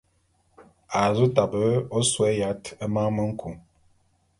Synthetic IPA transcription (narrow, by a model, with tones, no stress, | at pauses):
a˨zu˦ta˨bə˦o˦swɛ˦ja˨˦tə˦ma˦mə˦ŋ̩˦kʰu˨ŋ